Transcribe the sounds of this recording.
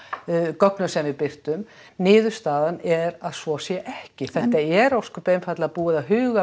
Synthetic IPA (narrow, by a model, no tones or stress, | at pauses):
kɔknʏmsɛmvɪðpɪr̥t̪ʏm | nɪːðʏɾ̥st̪aːðanɛɾaðsvɔsjɛʔɛhcɪθɛht̪aɛɾowskʏpeːjmfat̪lapuːɪðaɦʏːɣa